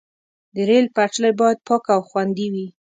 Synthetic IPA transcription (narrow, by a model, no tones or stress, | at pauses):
d̪əɾelpaʈ͡ʂlajbɑjad̪̚pɑkawxwand̪iwi